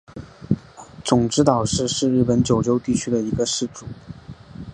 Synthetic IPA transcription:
t͡sʊ˨˩ŋʈ͡ʂɻ̩˧˥t̪ɑ˨˩ʊʂɻ̩˥˧ʂɻ̩˥˧ɻ̩˥˩pə˧˥nt͡ɕjo˨˩ʊjo˥ʊt̪i˥˩t͡ɕʰy˥d̪ə˨i˧˥ɡə˧ʂɻ̩˥˩ʈ͡ʂu˨˩˦

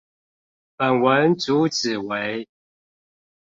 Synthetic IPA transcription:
pə˨˩nwə˨˦nt͡su˨˦t͡s̩˨˩we˨˦ɪ

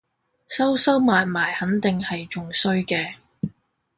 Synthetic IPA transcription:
sɐ˥wsɐ˥wmaː˨jmaː˨˩jhɐ˨˥nt̪ɪ˨ŋhɐ˨jt͡ʃʊ˨ŋsɵ˥ɥkɛː˧

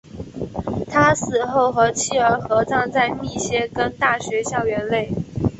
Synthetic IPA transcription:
t̪ʰa˥sɹ̩˨˩xo˥˩ʊxɤ˧˥t͡ɕʰi˥˩ə˞˧˥xɤ˧˥t͡sɑ˥˧ŋt͡sa˥˧ɪmi˥˩ɕjɛ˥kə˥nt̪a˥˩ɕɥɛ˧˥ɕjɑ˥˩ʊɥɛ˧˥nle˥˩ɪ

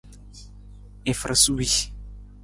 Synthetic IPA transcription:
e˨fɾa˨su˦wi˦

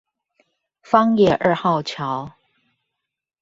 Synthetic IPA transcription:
fɑ˥ŋjɛ˥˩ʔə˥˧xɑ˥˩ʊt͡ɕʰjɑ˧˥˦ʊ

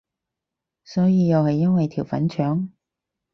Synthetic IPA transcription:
sɔː˨˥jiː˨˧jɐ˨˧whɐ˨jːɐ˥nwɐ˨jt̪ʰiː˨˩wfɐ̰˨˥nt͡ʃʰœː˨˥ŋ

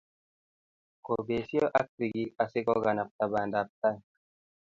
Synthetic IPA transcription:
ko˨be˨sjo˦ʔa˦k̚pi˨ɡi˦ʔa˨si˦kɔ˦ɡa˨na˨p̚ta˨ba˨nda˨p̚t̪a˦n˨

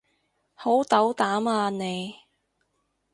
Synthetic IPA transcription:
ho˨˥wt̪ɐ˨˥wt̪aː˨˥maː˧ne˨˧j

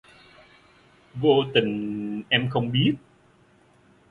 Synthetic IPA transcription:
vo̰˧t̪ï˨˩ŋ̟ʔɛ˧mxə˧wŋ͡mɓi˦˥ət̚

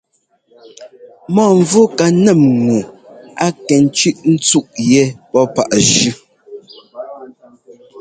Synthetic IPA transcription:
mɔː˦˨ɱ˦vo˦ka˨nɛ˦˨mŋu˨a˦kɛ˨n˦t͡ʃi˦ʔn̩˦t͡su˦ʔjɛ˨˦pɔ˦pa̰˨ʔʒʉ˦

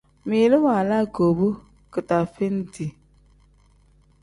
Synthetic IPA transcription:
mi˨lɨ˦wa˨la˦ɡo˨bu˦ | kɨ˨ta˨fi˦n˦di˨

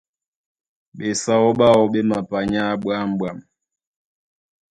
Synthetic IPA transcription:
ɓɛ˨sa˦ɔ˦ɓa˦ɔ˨ɓɛ˦ma˨pa˨ɲa˦ɓwa˦m̩˦ɓwa˨m

